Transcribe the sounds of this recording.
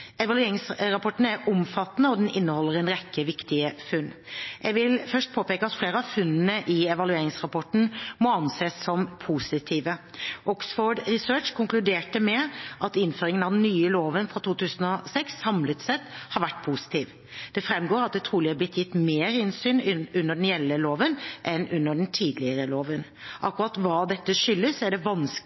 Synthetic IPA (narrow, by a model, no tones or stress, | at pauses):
ɛʋɑlʉeːɾɪŋsɾɑpʰɔʈn̩æɾʊmfɑt̪ːnəɔd̪ɛnɪnːəhɔlːəɾɛnɾɛkːəʋɪkt̪ɪəfʉnːʔɛɡʋɪlfœʂʈ̚pʰoːpeːkəɑt̪fleːɾəɑʋfʉnːənəʔɪɛʋɑlʉeːɾɪŋsʁɑpɔʈn̩mɔɑnseːsːɔmpʰuːsɪt̪ʰiːʋəʔɔksfoːɖɾɪsøːt͡ʃkʰʊŋklʉd̪eːʈəmɛʔɑt̪ɪnføːɾɪŋənɑʋd̪nːyːəloːʋənfɾɑt̪ʰuːt̪ʉːsənɔsɛksːɑmlət̪sɛt̪ːhɑɾʋæʈːpʰuːsɪ̥t̪ʰiːʋ | d̪̥ɛfɾɛmːɡoːɾɑt̪̚d̪ɛt̪ʰɾuːlɪɛblɪt̪ːjɪt̪ːmeːɾɪnsyːnʉnːəɖɛnjɛlːəloːʋənʔɛnʉnːəɖɛn̩t̪ʰiːd̪lɪəɾəloːʋən | ʔɑkːʉɾɑt̪ʋɑːd̪ɛt̪ːəʂʏlːəsæɖɛʋɑns